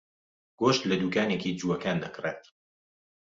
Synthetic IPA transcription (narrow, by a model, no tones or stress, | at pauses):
ɡ̥oːʃt̪lɐd̪uːkaːnekiːd͡ʒuːwɐkaːnd̪ɐkreːt̪